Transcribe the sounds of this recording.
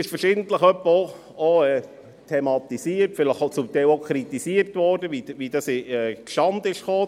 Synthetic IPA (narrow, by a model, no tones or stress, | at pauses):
ɪʃfəɾʃɪdn̩t̪ləχœpːəo | oɛ | tʰɛmɑt̪isiːərtfɪləχot͡sumt̪æɪlokʰχɾit̪isiəɾtʋɔːrdəʋiʋidɑsɪɛkʃɑnd̪ɪʃχoː